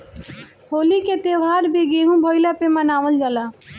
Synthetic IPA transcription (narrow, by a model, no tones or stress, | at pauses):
hoːliket̪ewaːɾbeɡeɦũbʱɔjlapemənaːʋəld͡ʒaːla